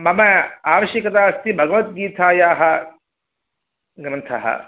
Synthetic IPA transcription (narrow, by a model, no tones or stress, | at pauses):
mɐmɐaːʋɐʃjɐkɐt̪aːɐst̪ʰibʱɐɡɐʋɐt̪̚ɡiːt̪ʰaːjaːɦɐ | ɡɾɐnt̪ʰɐ̰ɦɐ̰